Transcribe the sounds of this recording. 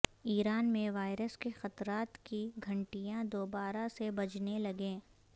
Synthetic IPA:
iːɾaːnmẽʋaːɪɾəskexɐt̪ɾaːt̪kiɡʱɐ̃ɳʈijãd̪oːbaːɾasebɐd͡ʒnelɐɡẽː

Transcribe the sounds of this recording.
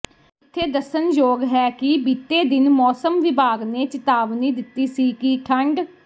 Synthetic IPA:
ɪt̪ʰːeːd̪əsənd͡ʒoːɡɦɛːkɪbiːt̪ːeːd̪ɪnmɔːsəmʋɪbaːɡneːt͡ʃɪt̪aːʋniːd̪ɪt̪ːiːsiːkiʈʰəɳɖ

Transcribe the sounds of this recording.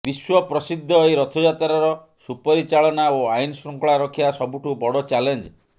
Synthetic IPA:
biswɔpɾɔsid̪ʱːɔejɾɔt̪ʰɔd͡ʒat̪aɾɔɾɔ | supɔɾit͡ʃaɭɔnaoajnɔsɾɔŋkɔɭaɾɔkʰjasɔbuʈʰubɔɽɔt͡ʃalend͡ʒ

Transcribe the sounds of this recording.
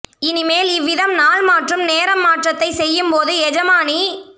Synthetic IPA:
ɪnɪmeːlɪʋːɪðɐmnaːlmaːʈrɯmneːɾɐmːaːʈrɐt̪ːɐɪsɛjːɯmpoːðɯɛd͡ʒɐmaːni

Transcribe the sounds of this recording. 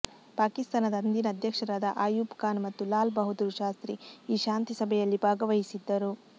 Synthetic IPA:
paːkist̪aːnɐd̪ɐɐnd̪inɐːd̪ʱjɐkʂɐɾaːd̪ɐʔaːjuːpkaːnmɐt̪ːulaːlbɐɦud̪uɾʃaːst̪ɾiiːʃaːnt̪isɐbʱɛjɐlːibʱaːɡɐʋɐɦisid̪ːɐɾu

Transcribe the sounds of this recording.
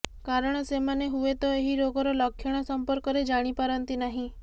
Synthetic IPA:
kaɾɔɽ̃ɔsemaneɦuet̪ɔeɦiɾoɡɔɾɔlɔkʰjɔɽ̃ɔsɔmpɔɾkɔɾed͡ʒaɽ̃ipaɾɔnt̪inaɦĩ

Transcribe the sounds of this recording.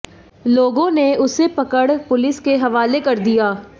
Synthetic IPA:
loːɡõneʊsepɐkəɽpʊlɪskeɦɐʋaːlekɐɾd̪ijaː

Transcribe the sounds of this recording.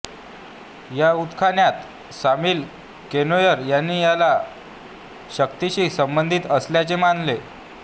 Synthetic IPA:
jaut̪kʰanjat̪ | samiːl | kenojəɾjanːiːjala | ɕəkt̪iɕiːsəmbənd̪ʱiːt̪əsljat͡semanle

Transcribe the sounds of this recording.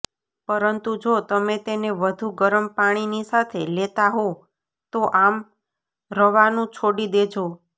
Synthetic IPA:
pəɾənt̪ud͡ʒot̪əmet̪eneʋəd̪ʱuɡəɾəmpaɽ̃inisat̪ʰelet̪aɦo | t̪oʔam | ɾəʋanũt͡ʃʰoɽid̪ed͡ʒo

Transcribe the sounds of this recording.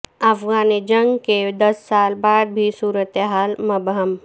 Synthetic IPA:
ɐfɡaːnid͡ʒə̃ŋɡked̪ɐsːaːlbaːd̪̚bʱisuːɾət̪eɦaːlmɐbɦəm

